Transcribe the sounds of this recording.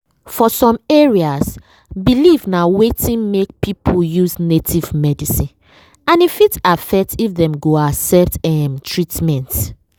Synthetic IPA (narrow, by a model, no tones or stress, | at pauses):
fɔsɔ̃meɹias | bilivnawetĩnmek̚pʰipʰojuznetʰivmɛdisĩn | ãnifitafɛk̚tifðɛ̃mɡoasɛptɛmtʰɹitmɛ̃nt